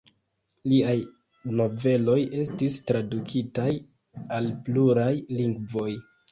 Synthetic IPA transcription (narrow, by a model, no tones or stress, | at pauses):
liaj | no̞ve̞lo̞je̞stistɾadukʰitaj | alpluɾajliŋɡvo̞j